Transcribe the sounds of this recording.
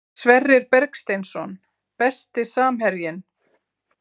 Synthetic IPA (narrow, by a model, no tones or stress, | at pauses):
svɛrːɪɾpɛɾkst̪ejnsɔn | pɛst̪ɪsaːmhɛɾjɪn